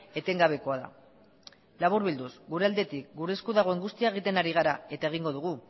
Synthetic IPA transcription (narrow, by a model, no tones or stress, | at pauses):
e̞t̪e̞ŋɡaβ̞e̞ko̞aða̰ | laβuɾβild̪usɡuɾe̞ald̪e̞t̪ik̚ɡuɾe̞skuðaɣo̞e̞ŋɡust̪iaeɣ̞it̪e̞naɾiɣ̞aɾae̞t̪ae̞ɣ̞iŋɡo̞ðuɣ̞u